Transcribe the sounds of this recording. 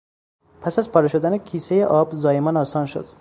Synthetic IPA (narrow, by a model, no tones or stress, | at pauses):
pʰæsæzpʰɒːɾeʃod̪ænekʰiːsejeʔɒːbzɒːemɒːnɒːsɒːnʃo̰d̪